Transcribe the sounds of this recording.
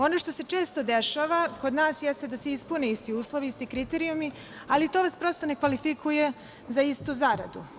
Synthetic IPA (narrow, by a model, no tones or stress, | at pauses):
o̞no̞ʃt̪o̞se̞t͡ʃe̞ːst̪o̞d̪eʃaʋako̞d̪naːsjɛst̪ed̪aseispuneist̪iuːslˠo̞ʋiist̪ikɾit̪e̞ːɾiumi | alit̪o̞ːʋaspɾo̞ːst̪o̞ne̞kʋalifikʰuje̞ | zaist̪uzaɾa̰d̪u